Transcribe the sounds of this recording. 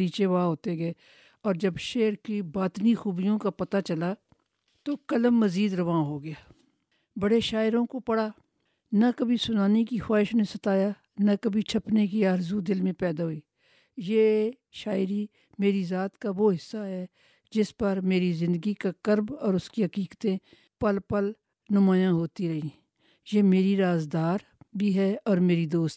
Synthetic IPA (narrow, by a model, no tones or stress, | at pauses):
ɾiːt͡ʃeʋaːɦoːt̪eɡɐeː | ɔːɾd͡ʒɐbʃeːɾkibaːt̪nixuːbijõkapɐt̪at͡ʃɐla | t̪oːkɐləmːəziːd̪ɾɐʋaːɦoɡɪjaː | bɐɽeʃaːɪɾõkopɐɽaː | nɐkəbʱisʊnaːnekixaːɪʃnẽsɐt̪aːjaː | nɐkɐbʱit͡ʃʰɐpnekiaːɾzud̪ɪlmẽpɛːd̪aɦʊiː | jeː | ʃaːɪɾi | meːɾizaːt̪kaʋoːɦɪsːaɦɛː | d͡ʒɪspɐɾmeːɾizɪ̃nd̪əɡikakəɾbɔːɾʊskiɦɐkiːkt̪ẽ | pəlpəl | nʊmaːjãɦoːt̪iɾɐɦĩː | jeːmeːɾiɾaːzd̪aːɾ | bʱiɦɛːɔːɾmeːɾid̪oːst̪